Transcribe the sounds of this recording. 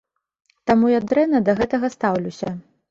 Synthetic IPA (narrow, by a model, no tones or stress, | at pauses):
t̪amujad̪ɾɛnɐd̪ɐɣɛt̪ɐɣɐst̪awlʲusʲɐ